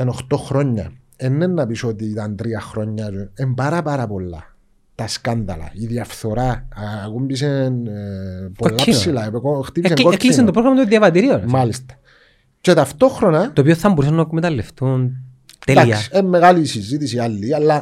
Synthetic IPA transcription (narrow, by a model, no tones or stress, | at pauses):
enoxt̪o̞xɾo̞ɲːɐ̰ | enːenːɐpisot̪it̪ɐnt̪ɾiɐxɾo̞ɲːɐuembɐɾɐpɐɾɐpolːɐ̰ | t̪ɐskand̪ɐ̰lɐ̰iðiɐfθo̞ɾaːkumbis̬en | poolːaissilaepekoxt̪ipiseŋɡoeklisent̪opɾoɣɾɐmɐt̪uðjɐvɐt̪iɾionmalist̪ɐ̥ | ce̞t̪ɐft̪o̞xɾonɐt̪oːpioθɐmboɾis̬ɐnːɐkmet̪ɐlːeft̪un | t̪ed̪iɐsi̥emːeɣaliːsizit̪isialːialːɐ